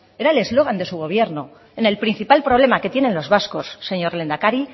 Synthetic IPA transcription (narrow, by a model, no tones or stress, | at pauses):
e̞ɾaele̞zlo̞ɣand̪e̞suɣ̞o̞β̞je̞ɾno | ene̞lpɾin̟θipalpɾoβ̞le̞make̞t̪je̞ne̞nlo̞zβasko̞sːe̞ɲo̞ɾle̞nd̪akaɾi